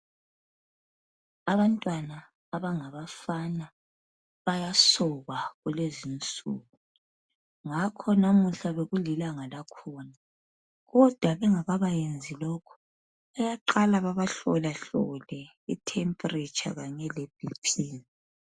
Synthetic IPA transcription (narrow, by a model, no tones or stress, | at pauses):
aβantʼwanaː | βaŋaβafana | βajasɔɣwaɣulezint͡sʼṵːɣu | ŋakʰɔnamuɬaβeɣulilaŋalakʰɔna | ɣɔd̥ʱwaβɛŋaβaβajend͡zʱilɔkʰɔ̥ | ajaǃalaβaβaɬɔlaɬɔ̰lɛ | itʰɛmpʼrit͡ʃʼa̰ɣaɲɛleb̥ʱipʰiːni